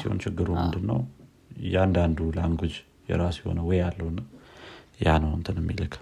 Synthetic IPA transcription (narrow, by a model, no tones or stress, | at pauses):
siho̞̰nt͡ʃɪɡːɨɾomɨnd̪ɨnːəw | jɛand̪and̪ulaŋɡod͡ʒ | jɛ̰ɾasjɛho̞̰nəwɔjjalːəwn | janəwɨnt̪ʰɨnəmːḭləkʰ